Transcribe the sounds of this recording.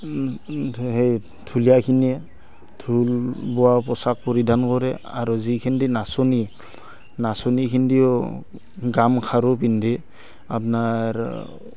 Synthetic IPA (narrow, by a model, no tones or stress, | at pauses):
hej | tʰulijakʰiniɛ | tʰulbɔwapɔsak̚pɔɹidankɔɹɛa̰ɹuzikʰindinasɔni | nasɔnikʰindiɔ | ɡamkʰaɾɔp̬indi | apnaɹ